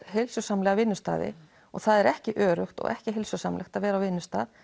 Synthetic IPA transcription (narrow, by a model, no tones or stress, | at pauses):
ɦɪlsʏsamlɛɣavɪnːʏst̪a̰ːðɪ̰ | ɔ̰ɣθaðɛɾɛhcɪʔœːɾʏxt̪ɔ̰ɣɛ̰hcɪɦɪlsʏsamlʔɛxt̪avɛːɾawvɪnːʏst̪a̰ːð